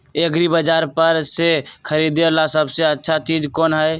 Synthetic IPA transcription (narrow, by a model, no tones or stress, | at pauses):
eəɡɾibəd͡ʒaːɾpəɾsekʰəɾid̪elasəbseətːʃʰat͡ʃiːd͡ʒkɔːnɦəj